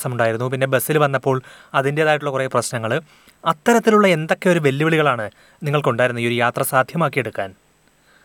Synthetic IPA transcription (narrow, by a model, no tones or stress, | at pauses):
sɐmuɳɖaːjiɾunːupinːe̞besːilʋɐnːɐpːo̞ːɭɐðinde̞ɐðaːjiʈːuɭɐkureːprɐɕnɐŋːɐɭ | ɐt̪ːɐɾɐt̪ːiluɭːɐe̞nd̪o̞kːeo̞ɾuʋe̞lːiʋiɭiɣɐɭaːɳɨ | niŋːɐɭkuɳɖaːjiɾunːɐio̞ɾujaːt̪rɐsaːd̪ʱjɐmaːkːije̞ɽukːaːn